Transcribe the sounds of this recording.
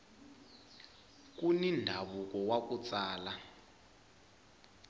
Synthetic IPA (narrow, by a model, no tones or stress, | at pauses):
k̬ʼunindʱaɓukɔwak̬ʼut͡sʼaːla